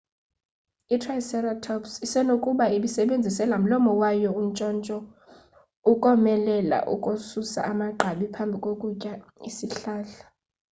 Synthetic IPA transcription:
itʰrajsɛratʰɔpsisɛnokʼuɓaiɓisɛɓend͡zʱisɛlam̩lɔmɔwajɔunt͡ʃʼɔnt͡ʃʼɔ | ukʼɔmɛlɛla̰ʔṵkʼosusa̰ʔamaɡ͡ǃʱaɓipʰambʱikʼokʼucʼaisiɬaːɬḁ

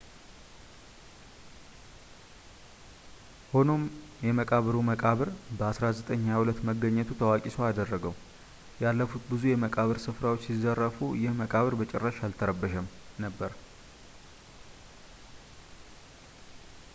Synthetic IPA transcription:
ho̞no̞mjɛməkʼaβəɾuməkʼaβɨɾbəasɾazət̪ʼəɲːahulət̪ːməɡəɲːɛt̪ʰut̪ʰəwakʼisoad̪ərːəɡəw | jalːəfut̪bɨzujɛməkʼaβəɾsɨfɾawot͡ʃːsizːərːəfujɪhməkʼaβəɾbət͡ʃʼɛrːəʃalt̪ʰəɾəbːəʃəm | nəbːəɾ

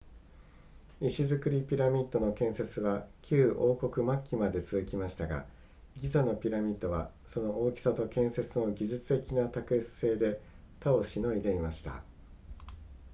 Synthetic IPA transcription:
iɕizɨkɯ̟ɾʲipʲiɾamʲit̪ːo̞no̞kẽ̞ɰ̃se̞t͡sɨβakʲɨːʔo̞ːko̞kɯ̟makʲːimad̪e̞t͡sɨzɨkʲimaɕi̥t̪aɡa̰ | ɡʲizano̞pʲiɾamʲit̪ːo̞βa | so̞no̞oːkʲi̥sat̪o̞kẽ̞ɰ̃se̞t͡sɨno̞ɡʲiʑɨt͡sɨ̥t̪e̞kʲinat̪akɯ̟et͡sɨ̥se̞ːd̪e̞ | t̪ao̞ɕino̞id̪e̞imaɕi̥t̪a̰

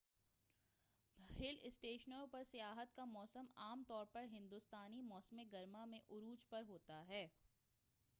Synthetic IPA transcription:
hɪlɪsʈeːʃnəɾõpɐɾsɪjaːɦət̪kamɔːsəmaːmt̪ɔːɾpɐɾɦɪ̃nd̪ʊst̪aːnimɔːsmeɡɐɾmamẽʔʊɾuːd͡ʒpɐɾɦoːt̪aɦɛː

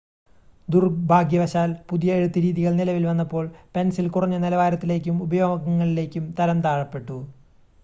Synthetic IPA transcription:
d̪urbʱaːɡjɐʋɐɕaːlpuðijɐeɻut̪ːɨɾiːðiɣɐɭnilɐʋilʋɐnːɐpːo̞ːɭpe̞nsilkurɐɲːɐnilɐʋaːɾɐt̪ːile̞ːk̬ʲːumubɐjo̞ːɡɐɣɐŋːɐɭile̞ːkʲːumt̪ɐɾɐmt̪aːɻɐpːe̞ʈːu

